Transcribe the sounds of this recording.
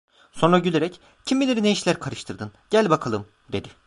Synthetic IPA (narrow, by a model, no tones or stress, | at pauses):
so̞nɾaɟylʲeɾɛc | cʰimilʲeɾinejiʃlʲæɾkʰaɾɯʃt̪ʰɯɾd̪ɯnɟ̥ælʲbakʰalˠɯm | d̪e̞d̪ɪ